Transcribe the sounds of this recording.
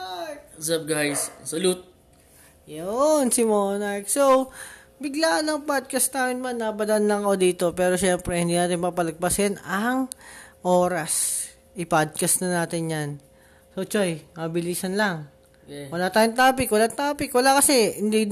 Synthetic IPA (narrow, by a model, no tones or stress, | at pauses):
zɐp̚ɡajssɐlut̪̚ | jonsɪmoːnak̚so | bɪɡlaːʔnɐŋpad̪̚kɐst̪aːmɪnmanːɐbɐd̪ɐʔanlɐŋkɐko̞d̪iːt̪o̞pɛːɾo̞ʃɛmpɾɛhɪnd̪iːnaːt̪ɪnpapɐlɐɡ̚pɐsɪnɐŋʔo̞ːɾɐs | ʔɪpad̪̚kɐsnɐnaːt̪ɪnjan | sot͡ʃojmɐbɪliːsɐnlɐŋ | wɐlaːt̪aːjʊnt̪aːpɪkwɐlat̪aːpɪkwɐlakɐsɛhɪnd̪i